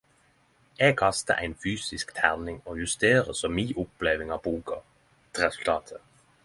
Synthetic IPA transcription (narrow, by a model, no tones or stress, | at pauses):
eːɡ̚kʰɑst̪ə̰ʔæɪnfyːsɪskt̪ʰæʁnɪŋoːjʉst̪eːʁəsɔmiːʔʊpleːʋɪŋɑːʋbuːkɑ | t̪ʰʁɛsʉlt̪ʰɑːt̪ʰə